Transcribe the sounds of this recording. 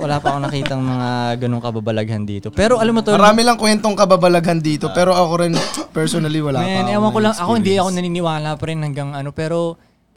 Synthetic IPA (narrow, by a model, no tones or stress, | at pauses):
wɐlaːpɐɐkonɐkiːt̪ɐŋmɐŋaɡɐno̞ŋkɐbabɐlɐɡɐnd̪ḭːt̪opɛːɾoʔɐlamːot̪omɐɾaːmɪlɐŋkwɛnt̪oŋkɐbabɐlɐɡɐnd̪iːt̪o̞pɛːɾo̞ʔɐkoɾɪnpɛɹsonɐliwɐlamːnʔɛːwɐŋkolɐŋʔɐko̞hɪnd̪iɐko̞nɐniːnɪwaːlɐpɐɾɛnhɐŋɡɐŋʔɐno̞pɛːɾo̞